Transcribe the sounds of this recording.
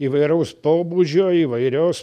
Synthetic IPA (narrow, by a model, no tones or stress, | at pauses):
iːʋɐɪɾɐʊspoːbuːd͡ʒʲoːiːʋɐɪɾʲoːs